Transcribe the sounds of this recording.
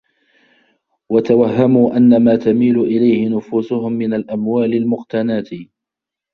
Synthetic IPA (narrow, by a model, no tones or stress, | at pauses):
wat̪awahːamuːʔanːamaːt̪amiːlʊʔɪlajhɪnʊfuːsʊhʊmːɪnalʔamwaːlɪlmʊqt̪anaːt̪